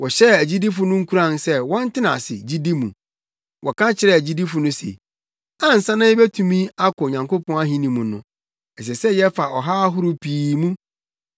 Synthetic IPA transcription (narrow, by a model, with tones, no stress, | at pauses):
wɔ˨ɕɛ˦˨æ˨d͡ʑi˦di˦fʊ˨nʊ̃˦ŋ̩˦kʰu˦ɾã˦˨nsɛ˦wɔ̃˦n˦tʰɪ˦nã̰˨sɪ̰˨d͡ʑi˦di˦mũ˨ | wʔɔ˨kʰã˦t͡ɕʰɪ˨ɾɛ˦˨æ˨d͡ʑi˦di˦fʊ˨nʊ̃˦sḛ˨ | ã˦n̩˨sã˦nã˦ɪ˦bæ˦tʰũ˨mĩ˦a˦kʰɔ˨ɲã˨ŋkʰo˦pʰɔ̃˦a˦ɦĩ˦nĩ˨mũ˨nʊ̃˨ | ɛ˨s̬ɛ˨sɛ˦jɛ˦fa˨ʔɔ˨ɦaː˦ɦʊ˦ɾʊ˦pʰiː˨mũ˦